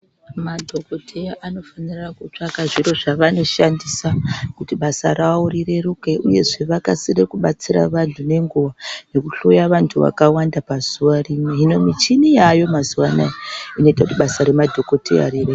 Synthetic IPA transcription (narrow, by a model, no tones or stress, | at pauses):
madʱo̞ko̞tʰeaʔano̞fanirakut͡ʂakaʐiro̞ʐaʋano̞ʃandisakutiɓasa̰ɾaorire̞rukeʔuje̞ʐe̞ʋakasirekuɓat͡sira̰ʋantʰune̞ŋɡuʋane̞kuɬojaʋantʰuʋa̰kawandapazuʋarimweɦino̞mit͡ʃinijajo̞mazuwana̰jaino̞itakutiɓasaɾe̞madʱo̞ko̞tʰḛja̰ɾire